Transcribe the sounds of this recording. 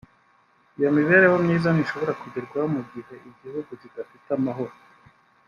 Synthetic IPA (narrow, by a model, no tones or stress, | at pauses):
ijo̞miβe̞ːɾewomɲiːzaniʃo̞βo̞ɾakuɟeɾɡwahomuɡiɦe̞ʔiɟihuɡuziɡafitamaɦo̞ɾo